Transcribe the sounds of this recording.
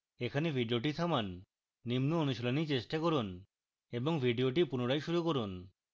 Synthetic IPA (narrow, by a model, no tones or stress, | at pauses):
ekʰanebʱiɖioʈ̬it̪ʰamanː | imnoonuʃolonit͡ɕeʃʈakoɾun | eboŋbʱiɖioʈipunoɽajʃuɾukoɾun